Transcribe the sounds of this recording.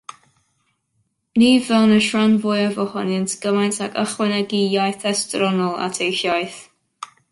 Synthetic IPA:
niːvɛlnəʃɹanvʊjəvɔhɔnəntʰɡ̥əmajntʰakʰəχwɛnɛɡijajθɛstɾɔnɔlˠa̰tʰejçjajθ

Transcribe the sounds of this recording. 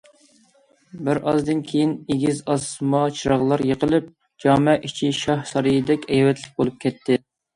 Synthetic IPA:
bɪɾʔɑzd̪ɨnkʲʰejineɡʲizɑsmɑt͡ʃʰiɾɑʁlˠɑɾjəqʰəlˠɨp̚ | d͡ʒɑːmɛʔit͡ʃʰiʃɑhsɑɾɨjɨd̪ɛkʲɛjwɛt̪ʰlɪk̚ʲbolˠup̚kʲʰɛt̪ʰːɪ

